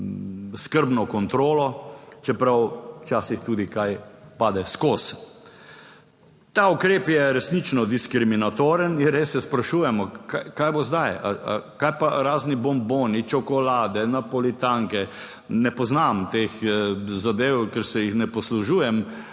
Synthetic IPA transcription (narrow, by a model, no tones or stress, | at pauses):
skəɾbnɔkɔnt̪ɾoːlɔt͡ʃɛpɾawwt͡ʃaːsixt̪uːd̪ikajpaːd̪ɛskoːs | t̪aukɾeːpjɛɾɛsnit͡ʃnɔd̪iskɾiminat̪oːɾəninɾesːɛspɾaʃujɛmɔkajkajbozd̪aja̰kajpaɾaːznibɔmboːnit͡ʃɔkɔlaːd̪ɛnapɔlit̪aŋkɛ | nɛpɔznamt̪eːxzad̪eːwkɛɾsɛjixnɛpɔsluʒujɛm